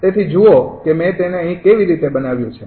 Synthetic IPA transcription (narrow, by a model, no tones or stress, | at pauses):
t̪et̪ʰid͡ʒuokemɛ̃t̪eneəɦĩkeʋiɾit̪ebənaʋjũt͡ʃʰe